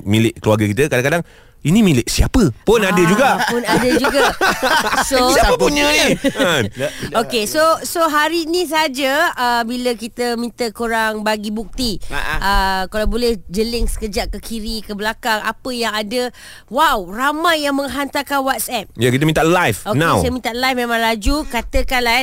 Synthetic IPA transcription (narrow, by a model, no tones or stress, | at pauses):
milɪʔ̚kəluaɡakit̪əkadaŋkadaŋ | inĩmilɪʔ̚siapəpʊnadəd͡ʒuɡapʊnadəd͡ʒuɡa | soiapəpuɲə | okesosoɦaɾiːnĩs̬aad͡ʒaəbiləkit̪əmĩnt̪əkuɾaŋbaɡibuk̚t̪iʔəkalawbolɛhd͡ʒəlɪŋsə̥kəd͡ʒaʔkəkʰiɾikəbəlakaŋa̰pəjaŋadə | wawramãjːaŋmə̃ŋɦant̪akanwat̪̚sɛp̚jakit̪əmĩnt̪aʔlajfoknaẽwsmint̪aʔlajfmẽmãŋlad͡ʒukat̪əkanla